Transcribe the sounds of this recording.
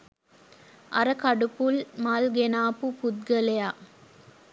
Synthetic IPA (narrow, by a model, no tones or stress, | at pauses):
ʔɐɾəkɐɖupulmalɡenaːpupud̪̚ɡəlejaː